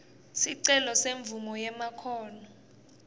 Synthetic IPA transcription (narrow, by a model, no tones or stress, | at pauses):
siǀɛlɔseɱb̪vumɔjɛmakʰɔːnɔ